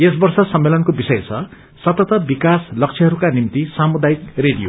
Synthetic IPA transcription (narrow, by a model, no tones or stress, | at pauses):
esbʌrsʌsʌmːelʌnkobisʌjt͡sʰʌ | sʌt̪ʌt̪ʌbikaslʌk̚t͡sʰiɦʌɾukanimt̪isamud̪ajikreɽijo̰